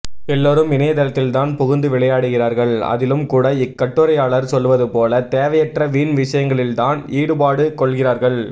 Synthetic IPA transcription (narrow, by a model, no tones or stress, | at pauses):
ɛlːoːɾɯmɪnɐjɐt̪ɐlɐt̪ːɪlt̪aːnpʊɣʊnd̪ɯʋɪɭɐjaːɽɯɣɪraːɾɣɐɭɐ̰ðɪlɯmkuːɽɐɪkːɐʈːɯɾɐjaːɭɐɾsɔlːʋɐðɯpoːlɐt̪eːʋɐjɛʈrɐʋiːnʋɪʂɐjɐŋɡɐɭɪlt̪aːniːɽɯpaːɽɯkɔɭɣɪraːɾɣɐɭ